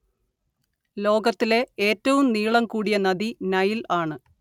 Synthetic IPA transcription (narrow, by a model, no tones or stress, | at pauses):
lo̞ːɡɐt̪ːile̞eːtːɐʋumniːɭɐmkuːɽijɐnːɐðinɐjilaːɳɨ